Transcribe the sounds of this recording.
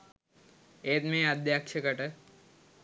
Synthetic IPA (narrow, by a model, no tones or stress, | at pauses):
eːt̪mẽəd̪jaːkʃəkəʈə